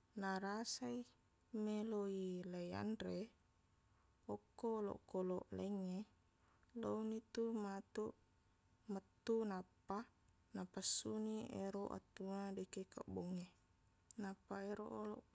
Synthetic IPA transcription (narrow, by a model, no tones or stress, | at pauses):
naɾasai | meloilaja̰ndɾe | okːolo̰ʔkolo̰ʔleŋːe | lownit̪umat̪uʔ | mət̪ːunapːa | napasːuniʔḛɾoʔa̰t̪ːuŋadekeka̰ʔboŋːe | napːaeɾo̰ʔolo̰ʔ